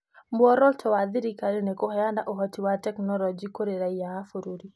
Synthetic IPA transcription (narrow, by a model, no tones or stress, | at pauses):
mbwɔɾɔltʰɔwad̪iɾikaɾinɛkɔhɛanda̰ʔɔɦɔtiwatɛknɔlɔd͡ʒikoɾeɾaijaːfuɾuɾi